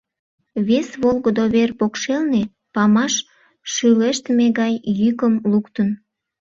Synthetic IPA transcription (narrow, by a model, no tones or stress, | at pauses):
βesβolɣəd̪oβerpokʃelne | pɑmɑʃ | ʃyleʃt̪meɣɑjjykəmlukt̪ən